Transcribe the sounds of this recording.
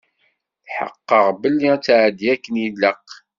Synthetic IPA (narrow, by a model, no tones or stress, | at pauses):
θħə̰qːəʁbəlːit͡sːʕd̪iækːənilːəq